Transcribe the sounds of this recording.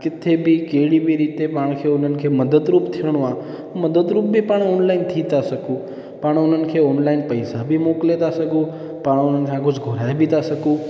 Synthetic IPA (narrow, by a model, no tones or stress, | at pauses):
kɪt̪ʰːebʱiːkeɽibʱiɾiːt̪epaːɳ̃kʰeonənkʰeməd̪əd̪ɾuːpt̪ʰiəɽ̃ʋã | ũməd̪əd̪ɾuːp̚bʱiːpaɳoːnlaɪnt̪ʰit̪asəkũː | paːɳ̃onənkʰeɔːnlaɪnpəjsabʱimoklet̪asəɡũː | paːɽonənkʰãɡod͡ʒɡʱoɾajbʱit̪asəkũː